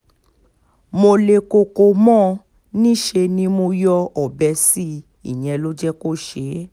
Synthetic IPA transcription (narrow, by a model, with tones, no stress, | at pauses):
mo˧le˧ko˧ko˧mɔ̃˦˨ | nĩ˦ʃe˧nĩ˧mo˧jɔ˧ɔ˨bɛ˧si˦ | i˦˨j̃ɛ̃˧˨˧lo˦d͡ʒɛ˦ko˦˨ʃe˨˦